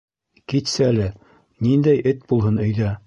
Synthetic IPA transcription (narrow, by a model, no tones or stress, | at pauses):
kit̪sɘælɘ | nind̪æjʔɘt̪̚bulˠɦɤnɵ̆jðæ